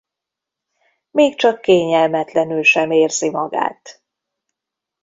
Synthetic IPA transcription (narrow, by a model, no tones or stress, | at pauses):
meːkt͡ʃɒkːeːɲɛlmɛt̪lɛnylʃɛmeːrzimɒɡa̰ːt̪